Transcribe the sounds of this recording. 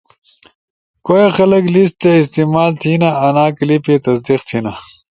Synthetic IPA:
kojexɐlɐklist̪eist̪imaːlt̪ʰinaɐnaːklipet̪ɐs̬d̪iqt̪ʰiːna

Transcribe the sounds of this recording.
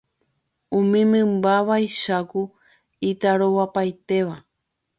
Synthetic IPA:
ũmĩmɨ̃mbaβajʃaku | it̪aɾowapajt̪e̞ʋa

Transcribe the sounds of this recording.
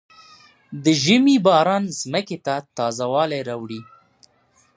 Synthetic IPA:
d̪əʒəmibɑɾɑnzməket̪at̪ɑzawɑlajɾɑwɽi

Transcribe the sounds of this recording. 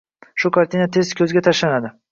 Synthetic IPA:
ʃʊkʰaɾt̪ʰinat̪ʰe̞zkʲʰɵzɡʲat̪ʰaʃlanad̪ɪ

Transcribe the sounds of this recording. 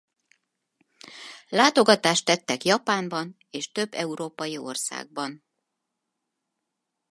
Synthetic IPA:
laːt̪o̞ɡɒt̪aːʃt̪ːɛt̪ːɛkjɒpaːmbɒn | eːʃt̪ø̞bːɛuɾoːpɒjio̞̰rsa̰ːɡ̚bɒn

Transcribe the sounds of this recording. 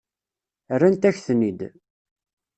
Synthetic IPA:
ərːænt̪æçθnid̪

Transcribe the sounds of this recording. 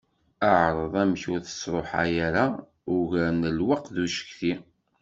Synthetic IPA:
əʕɾˤəðˤæmçʊɾθə̥sˤɾˤoħa̰jaɾa | ʊʝæɾnəlwəqðuʃə̥kθi

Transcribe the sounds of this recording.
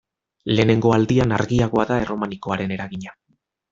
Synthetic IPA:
le̞ːne̞ŋɡo̞ald̪ianaɾɣiaɣ̞o̞aðae̞ro̞maniko̞aɾe̞ne̞ɾaɣiɲa

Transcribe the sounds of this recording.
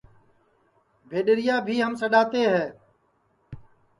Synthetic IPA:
bʱeːɗɪɾɪjaːbʱiːɦəmsəɗaːt̪eːɦɛː

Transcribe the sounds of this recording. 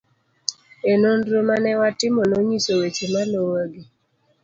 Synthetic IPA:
enondɾomanɛwatɪmonoɲisowet͡ʃemalowaɡi

